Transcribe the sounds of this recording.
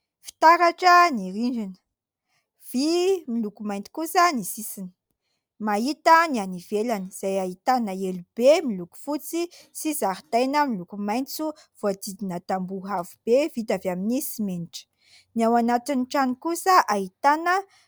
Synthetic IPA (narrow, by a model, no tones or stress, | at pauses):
fi̥t̪aɾaʈ͡ʂəniɾiɳɖ͡ʐinə̥ | v̥imilukumajnt̪i̥kusənisisinə̥ | maɦit̪ənianivelaniz̥ajait̪anəelub̥emiluku̥fut͡sisizaɦit̪ajnəmilukumajnt͡suv̥oad̪id̪inat̪ambuɦavub̥evit̪avaminisimeniʈ͡ʂə̥ | niawanat̪inʈ͡ʂanikusəʔaɦit̪anə